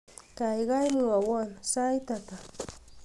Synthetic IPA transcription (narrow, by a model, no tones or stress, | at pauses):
kajɢɑjmɪawansajt̪at̪a